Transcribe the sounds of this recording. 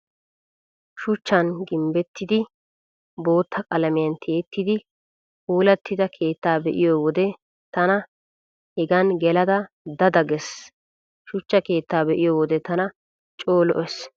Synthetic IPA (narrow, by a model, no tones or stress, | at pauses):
ʃʊt͡ʃːɐnɡɪmbɛt̪ːɪd̪ɪ | bo̞ːt̪ʰːɐkʼɐlɐmɪjɐnt̪ʰe̞ːt̪ːɪd̪ɪ | huːlɐt̪ːɪd̪ɐkʰe̞ːt̪ːaːbɛʔɪjoːwɔd̪ɛ | t̪ɐnɐ | hɛɡɐnɡɛlɐd̪ɐ | d̪ɐd̪ɐɡɛs | ʃʊt͡ʃːɐke̞ːt̪ːaːbɛʔɪjoːwɔd̪ɛt̪ɐnɐ | t͡ʃʼo̞ːlɔʔɛs